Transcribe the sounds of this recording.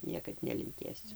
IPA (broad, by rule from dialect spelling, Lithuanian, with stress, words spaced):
ˈnʲiɛkɐt nʲɛlʲɪŋʲˈkʲeːsʲʊ